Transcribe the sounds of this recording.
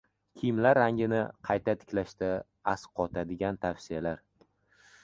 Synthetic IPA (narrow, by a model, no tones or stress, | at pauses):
kʲʰɪmlaɾːaŋʲɪnɪqʰɑjt̪ʰat̪ʰɪ̥kʲlaʃt̪a | asqʰɒt̪ʰad̪ɪɡʲant̪ʰafsɪjalaɾ